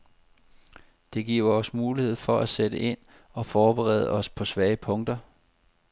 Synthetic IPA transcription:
d̥e̝ɡ̥iɐ̰ɒ̽smuːlihe̝ð̞̰ˠfɒ̽ʔæsed̥əʔe̝n̰ | ɒ̽fɒːb̥eʁɛ̰ð̞ˠəɒ̽spʰɒ̽sʋɛːəpʰɔ̽ŋd̥ɐ

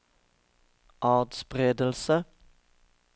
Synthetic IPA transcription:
ʔɑːd̪spʁeːd̪əlsə

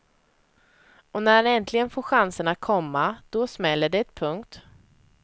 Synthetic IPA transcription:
ɔnæɾhanɛnt̪ʰlɪɡənfoːɾɧansəɳat̪̚kʰɔmːad̪̥ɔsmɛlːəɖɛɛt̪̚pʰɵŋkt̪

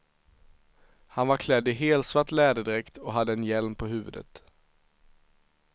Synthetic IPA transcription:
hanvaɾkʰlɛd̪ːɪɦeːlt̪svaʈlɛːd̪əd̪ɪɾɛkt̪ʰɔɦad̪ːəɛnjɛlmpʰɔɦʉ̟ːvɵ̰d̪ə̰t̪

